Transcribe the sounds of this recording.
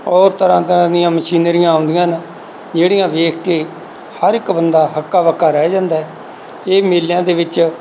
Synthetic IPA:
ɔːɾt̪əɾãːt̪əɾãːd̪ɪjãːməʃiːnɾɪjãːnd̪ɪjãːn | d͡ʒeːɽɪjãːʋeːkʰkeː | həɾɪkbənd̪aːɦəkːaːʋəkːaːɾɛːd͡ʒãːnd̪aːɛː | eːmeːljãːd̪eːʋɪt͡ʃ

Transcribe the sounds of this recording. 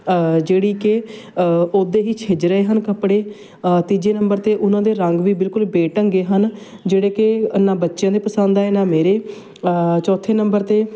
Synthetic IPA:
d͡ʒeːɽiːkɪ | oːd̪eːɦiːt͡ʃʰed͡ʒɾəeːɦənkəpɽeː | t̪id͡ʒeːnə̃mbəɾt̪eːʔʊnãːd̪eːɾəŋɡʋiːbɪlkʊlbeːʈə̃ŋɡeːɦən | d͡ʒeːɽeːkɪənːãːbətːʃjãːd̪eːpəsə̃nd̪aːeːnaːmeːɾeː | t͡ʃɔːt̪ʰeːnəmbəɾt̪eː

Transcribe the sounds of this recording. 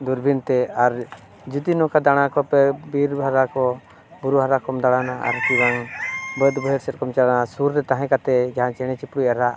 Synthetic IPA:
d̪uɾbʱint̪ɛaɾ | d͡ʒud̪inɔkad̪aɽ̃akɔpɛbiɾbʱaɾakɔ | buɾuɦaɾakɔmd̪aɽanaʔa̰ɾkiwaŋbəd̪bɔɦɛɾsɛt̪̚kɔmt͡ʃaɽanasuɾːɛt̪aɦɛ̃kat̪ɛd͡ʒaɦãt͡ʃɛɽ̃ɛt͡ʃipɽuaɾaʔ

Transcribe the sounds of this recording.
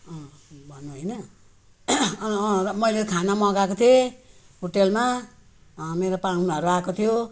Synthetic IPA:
bʱʌnːuɦojnʌ | mʌjlekʰanamʌɡakot̪ʰie | ɦoʈelma | meɾopaɽunuʌɾuakot̪ʰijo

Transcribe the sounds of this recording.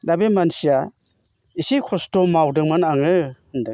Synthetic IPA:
dabemansija | isikʰɔstɔmawdɯŋmanaŋɯɯndɯ

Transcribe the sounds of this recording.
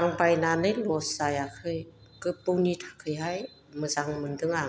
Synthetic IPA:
aŋbajnanɯjlɔsajakʰɯj | kɯp̚ːuwnitʰḁkʰɯjɦaj | mɯzaŋmɯndɯŋa

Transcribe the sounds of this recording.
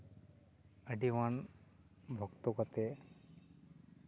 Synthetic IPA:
əɖiʋan | bʱɔkt̪okət̪e

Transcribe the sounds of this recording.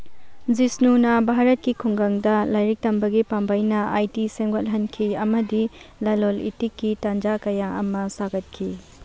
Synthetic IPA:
zisnunɐbʱaɾɐt̚kikʰuŋɡaŋdɐlajɾik̚tɐmbɐɡipambɐjnɐʔajtiseŋɡɐlɦɐnkʰiɐmɐdilɐlolḭtikːitand͡ʒakɐjaɐmɐsaɡɐt̚kʰi

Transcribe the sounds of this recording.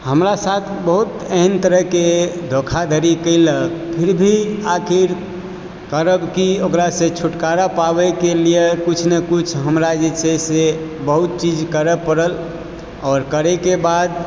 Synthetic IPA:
həmɾasat̪ʰbəɦut̪eɦənt̪əɾəɦked̪ʱokʰad̪ʱəɾikəɪləkpʰiɾbʱiakʰiɾ | kəɾəbkiokɾasẽt͡ʃʰuʈkaɾapabɛkelijekut͡ʃʰnekut͡ʃʰɦəmɾad͡ʒet͡ʃʰesebəɦut̪̚t͡ʃid͡ʒkəɾəpəɾəl | ɔɾkəɾɛkebad̪

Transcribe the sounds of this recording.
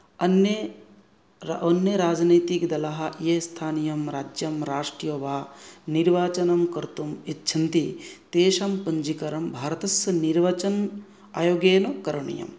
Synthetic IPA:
ɐnje | onjɐɾaːd͡ʒniːt̪ikd̪ɐlɐɦɐ̆jest̪ʰaːnijɐmɾaːd͡ʒjɐmɾaːʂʈɾijoʋaːniɾʋaːt͡ʃɐnɐmkɐɾt̪umitːt͡ʃʰɐnt̪it̪eːʃɐmpɐɲd͡ʒikɐɾɐmbʱaːɾɐt̪ɐsɐniɾʋɐt͡ʃɐn | a̰ːjoːɡeːnɐkɐɾɐɳḭjɐ̰m

